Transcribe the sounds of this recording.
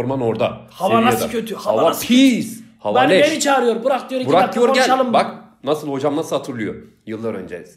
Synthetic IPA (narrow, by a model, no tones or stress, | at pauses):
ɾmano̞ɾd̪ahaaasdaøt̪ʰyjohaavapʰishavaneeɾit͡ʃʰaːɾɯjoɾbuɾak̚t̪ʰɯjoɾibuɾak̚t̪ʰɯjoɾɡælʲalˠɯmbak | nasɯlˠho̞d͡ʒamasɯlˠhat̪ʰɯɾlˠujo | jɯlˠːaɾø̰nd͡ʒeiz̥